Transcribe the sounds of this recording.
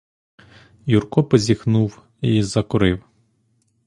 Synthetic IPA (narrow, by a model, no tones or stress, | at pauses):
jurkɔpɔzʲixnuw | izɐkʊɾɪw